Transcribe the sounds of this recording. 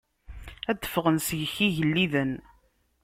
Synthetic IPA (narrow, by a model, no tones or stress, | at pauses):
æd̪ːə̥fʁənsəʝçiʝəlːiðən